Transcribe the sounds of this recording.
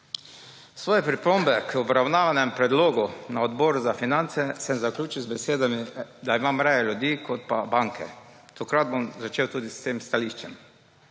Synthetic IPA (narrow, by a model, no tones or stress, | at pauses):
sʋɔːjɛpɾipombɛkɔbɾawnaːʋanɛmpɾɛd̪loːɡunaɔd̪bɔːɾuzafinant̪sɛsɛmzaklʲuːt͡ʃiwzbɛseːd̪amid̪aimaːmɾajɛlʲjud̪jiːkʰɔt̪pabaŋkʰɛ̰t̪ʰokɾad̪̚bomzat͡ʃeːwt̪uːd̪ist̪eːmst̪aliːʃt͡ʃɛm